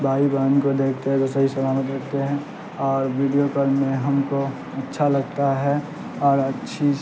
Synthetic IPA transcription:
bʱaːibaːnkod̪eːkʰt̪eɦɛ̃d͡ʒ̪osɐɦisɐlaːlət̪ɾɐkʰt̪eɦɛ̃ | ɔːɾʋiːɖijokəɾmẽɦɐmko | ɐtːʃʰalɐɡt̪aɦɛ | ɔːɾɐtːʃʰi

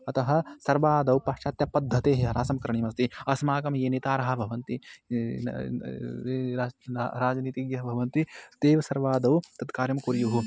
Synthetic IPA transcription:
ɐt̪ɐɦɐ̆sɐɾbaːd̪ɐwpɐʃt͡ʃaːt̪jɐpɐd̪ʱːɐt̪eːɦeɦɐɾaːsɐmkɐɾɐɳiːmɐst̪iɐsmaːkɐmjeːneːt̪aːɾɐɦɐ̆bʱɐʋɐnt̪i | e | ɾaːd͡ʒniːt̪iɡjɐɦɐbʱɐʋɐnt̪it̪eːʋɐsɐɾʋaːd̪ɐwt̪ɐd̪kaːɾjɐmkuɾjuɦu

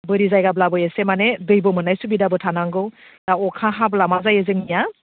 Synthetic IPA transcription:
bɯɾizajɡablabɔjesemanedɯjbɔmɯnajsubidabɯtʰanaŋɡɯw | daɔkʰaɦablamazajezɯŋnija

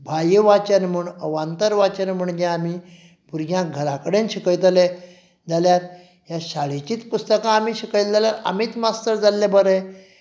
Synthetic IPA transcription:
bʱajʋat͡ɕənmuɳəʋant̪əɾʋat͡ɕənməɳɡãːmiː | puɾɡjãɡʱəɾakəɽenɕikəɭt̪̬le | d͡zaljaɾ | jaɕaɭit͡ɕiːt̪pust̪əkãːmiːɕikəɭt̪d͡zaljaɾa̰miːt̪mast̪əɾd͡zalːebəɾɛ

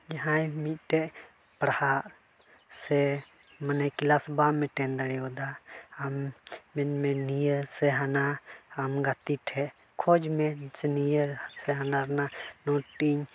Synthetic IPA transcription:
d͡ʒaɦãjmit̪̚ˀʈɛʔ | pɾahaʔ | sɛ | mənɛkilasbamɛʈɛnd̪əɽɛɔd̪aːmbɛnmɛnijəsɛɦanaːmɡat̪iʈʰɛʔ | kʰɔd͡ʒmɛsɛnijəsɛɦanaɾnanɔʈiɲ

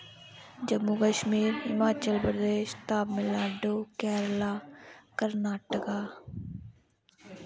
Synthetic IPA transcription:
d͡ʒəmːukəʃmiːɾɦɪmaːt͡ʃəlpɾəd̪eːʃt̪aːbmɪlaːɖoːkɛːɾlaːkəɾnaːʈəkaː

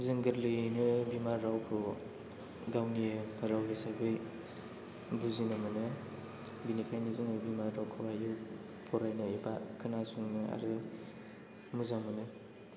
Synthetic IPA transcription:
zɯŋɡɯɾlɯjnɯbimaɾːawkʰɯ | ɡawniɾawɦesabɯj | buzinɯmɯnɯ | binikʰajnɯzɯŋɯbimaɾːawkʰɯwajɯ | pʰɔɾajnɯebakʰɯnasuŋnɯa̰ɾɯ | muzamɯnɯ

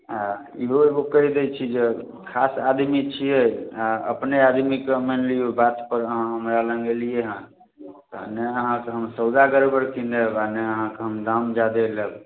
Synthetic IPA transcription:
a | iɦoebokəɦid̪et͡ʃʰid͡ʒe | kʰasad̪mit͡ʃʰieaə̰pnead̪mikemenliobat̪pəɾəɦãɦəmɾalə̃ŋɡelijeɦə̃ | t̪ɔneəɦãkeɦəmsəwd̪aɡəɾebəɾkʰĩnd̪əbaneəɦãkeɦəmd̪amd͡ʒad̪eləb

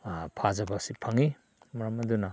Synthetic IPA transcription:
pʰazɐbasipʰɐŋi | mɐɾɐmɐdunɐ

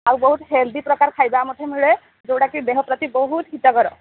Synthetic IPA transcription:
aubɔɦut̪ɦeld̪ipɹɔkaɹkʰajbaːmɔtʰemiɭɛ | zowɽakibeɦɔpɾɔt̪ibɔɦut̪ɦitɔkɔɾɔ̰

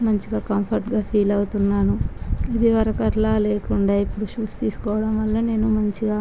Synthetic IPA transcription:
mɐɲt͡ʃiɡaːkɐmpʰɐɾʈɡaːpʰiːlɐwut̪unːaːnuid̪iʋɐɾɐkɐʈlaːleːkuɳɖaːipːuɽuʃuːst̪iːsu̥kɔːʋɐɽɐmʋɐlːɐne̞ːnumɐɲt͡ʃiɡaː

